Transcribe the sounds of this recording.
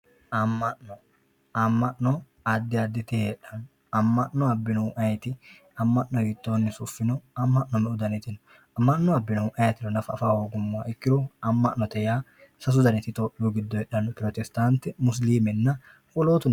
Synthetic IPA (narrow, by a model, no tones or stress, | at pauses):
ʔɐmːɐʔnɔ | ɐmːɐʔnɔ | ɐd̪ːɪɐd̪ːɪt̪ɪheᶑɐn | ɐmːɐʔnɔɐbːɪnʊwʔɐjt̪ɪ | ɐmːɐʔːɔhiːt̪ːoːnːɪsʊfːɪnɔɐmːɐʔnɔmɛʊd̪ɐnɛt̪ɪnɔ | ɐmːɐʔnːɔɐbːɪnʊʔɐjɐt̪ɪlɔnɐfɐːfaːhoːɡʊmːaɪkːɪɾɔɐmːɐʔnɔt̪ɛjaː | sɐs̬ʊd̪ɐnɛt̪ɪt̪oːʔjuɡɪd̪ːɔjɛɗɐnpɾɔt̪ɛst̪ant̪ɛmʊs̬liːmɛnːɐ | kʊloːt̪ʊn